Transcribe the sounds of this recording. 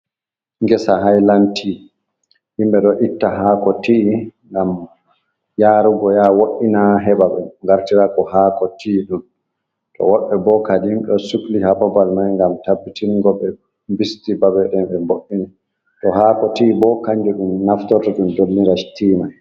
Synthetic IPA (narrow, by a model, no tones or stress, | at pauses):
ŋɡɛsaɦajlantʰi | himɓɛɗɔʔitːaɦakɔtiʔːŋɡam | jaːɾuɡɔjawoʔːinaɦɛbaɓɛ̰ŋɡaɾtiɾakɔhakɔtʰiɗun | tʰɔ̰wɔɓɛbɔkadimɗɔsuklihababalmajŋɡamtabːitinɡɔbɛ | mbistibabɛɗɛnbɛmboʔːina | tɔhakɔtiːbɔkaɲd͡ʒuɗumnaftɔɾtaɗumdolːiɾastiːmaj